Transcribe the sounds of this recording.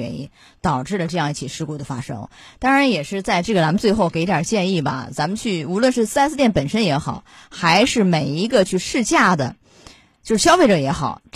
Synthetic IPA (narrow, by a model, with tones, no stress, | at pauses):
ɛ̰˧˥nḭ˥n | t̪ɑ˨˩ʊʈ͡ʂɻ̩˥˩lə˩ʈ͡ʂɤ˥˧jɑ˥˧ŋi˥˩t͡ɕʰi˨˩ʂɻ̩˥˧ku˥˩d̪ə˩fa̰˥ʂɤ̰˥ŋ | t̪ɑ˥ŋɻa˧˥njɛ˨˩ʂɻ̩˥˧t͡sa˥˧ɪʈ͡ʂɤ˥˩ɡə˩t͡sa˧˥mə˧nt͡swe˥˧ɪxo˥˩ʊke˨˩˥ɪ˧˥t̪jɑ̰˨˩t͡ɕjɛ˥˧ni˥˩bɐ̰˩t͡sa˧˥mə˧nt͡ɕʰy˥˩u˧˥lwə˥˧nʂɻ̩˥˩s̩˥a˥sɹ̩˥˧t̪jɛ˥˩npə˨˩nʂə˥njɛ˧˥xɑ˨˩˦ʊxa˧˥ɪʂɻ̩˥˩me˨˩ɪi˧˥ɡə˧t͡ɕʰy˥˧ʂɻ̩˥˧t͡ɕja˥˩d̪ə̰˩ | t͡ɕjo˥˧ʊʂɻ̩˥˩ɕjɑ˥ʊfe˥˩ɪʈ͡ʂə˨˩jɛ˧˥xɑ̰˨˩˦ʊ